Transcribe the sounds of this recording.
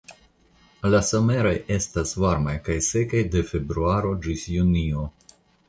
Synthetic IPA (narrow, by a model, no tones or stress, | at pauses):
lasome̞ɾaje̞stasvaɾmajkajse̞kajde̞fe̞bɾuaɾo̞d͡ʒisjunio̞